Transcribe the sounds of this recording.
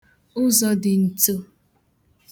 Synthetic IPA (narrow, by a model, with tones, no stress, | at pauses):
ʊ˦zɔ˨dɪ˨n̩˨tu˦